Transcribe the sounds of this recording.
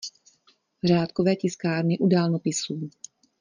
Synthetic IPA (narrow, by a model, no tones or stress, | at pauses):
r̝aːt̪kovɛːcɪskaːɾnɪʔudaːlnopɪsuː